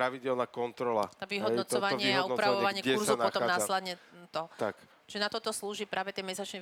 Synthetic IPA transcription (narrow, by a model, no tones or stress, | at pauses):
ɾaʋiɟɪɛlnaːkɔnt̪ɾɔlat̪aʋiɦɔdnɔt͡sɔʋaɲɪiɛɦɔunɔpɾaʋɔɔʋaɲɪɛkɛuɾzɔnɔtɔamaːslɛd̪ɲɛt̪ɔt̪ak | ʒɛnat̪ɔt̪ɔsluːʒipɾaːʋɛt̪ɪɛmɛsat͡ʃnɛ